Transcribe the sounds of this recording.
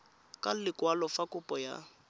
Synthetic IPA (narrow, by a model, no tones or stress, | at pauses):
kʼalɪkʼwalɔfakʼʊpʼɔja̰